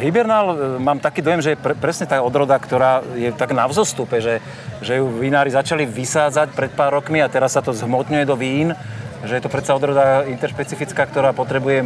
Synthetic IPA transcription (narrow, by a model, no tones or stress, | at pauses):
ɦibɛɾnalmaːmt̪akiːd̪ɔjɛmʒɛjɛpɛpɾɛsɲɛt̪aɔd̪ɾɔd̪akt̪ɔɾaːjɛt̪aɡnavzɔst̪upɛʒɛ | ʒɛjuʋinaːɾizat͡ʃaliʋisaːd͡zacpɾɛt̪̚paːɾːɔkmiat̪ɛɾasːat̪ɔzɦmɔt̪ɲujɛd̪ɔʋiːnʒɛjɛt̪ɔpɾɛsaɔd̪ɾɔd̪aint̪ɛɾʃpɛt͡sifit͡skaːkt̪ɔɾaːpɔt̪ɾɛbujɛ